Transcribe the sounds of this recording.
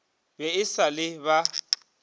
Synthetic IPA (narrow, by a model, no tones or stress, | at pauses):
bɛɪsalɪba